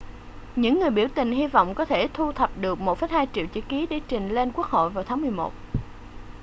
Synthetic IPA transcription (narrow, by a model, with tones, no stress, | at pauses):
ɲɨ̰˧˥ŋːɨ˨˩əjɓi˧˩əwt̪ï˨˩ŋ̟ɦi˧vɔ̰˧˨wŋ͡mkɔ˨˦t̪ʰe˧˩t̪ʰu˧t̪ʰə˨˩p̚ɗɨ˨˩ək̚mo˨˩t̚fəː˨˦jhaː˧jt͡ɕḭ˧˨əwt͡ɕḭ˧˥ki˨˦ɗe˧˩˦t͡ɕï˨˩ŋ̟le˧nku˦˥ək̚ho̰˧˨jvaː˨˩wt̪ʰaː˨˦mɨ˨˩əjmo̰˨˩t̚